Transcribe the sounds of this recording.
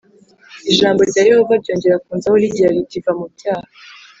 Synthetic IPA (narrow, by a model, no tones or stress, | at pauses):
iʒaːmbo̞ɾɟaːje̞ho̞vaɾɟo̞ːɲɟe̞ɾakuːnzahoɾiɟiɾaɾiɟivamubɟaːha